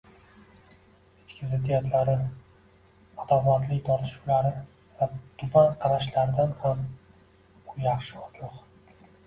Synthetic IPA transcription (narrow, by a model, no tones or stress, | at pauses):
et̪kʰʲɪzet̪ʰɪjat̪ʰlaɾɪ | ɒt̪ɒvat̪lɪkʲt̪ʰɒɾt̪ʰɪ̥ʃu̥laɾɪ | vat̪ʰʊbanqʰɑɾaʃlaɾɪd̪anham | ʊjɑχʃɪɒɡoq